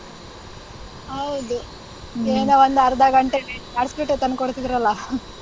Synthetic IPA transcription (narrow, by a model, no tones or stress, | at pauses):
ɐwd̪u | eːnoʋɐnd̪ɐɾd̪aːɡɐɳʈeʈeaɽskeʈːet̪ɐnkɔɽt̪id̪iɾɐlːɐ